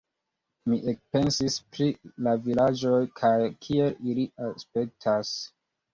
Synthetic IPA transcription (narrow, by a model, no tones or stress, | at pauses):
miʔek̚pe̞nsispɾilavilad͡ʒo̞jkʰajkʰie̞liliaspe̞k̚tʰas